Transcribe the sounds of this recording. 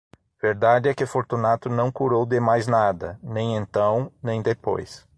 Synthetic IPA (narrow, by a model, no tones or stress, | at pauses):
veɾd̪ad͡ʒɪɛkɪfoɾt̪unat̪ʊnɐ̃w̃kuɾowd̪ɪmajznad̪ɐ̰nẽj̃ẽnt̪ɐ̃w̃nẽj̃d̪epo̰js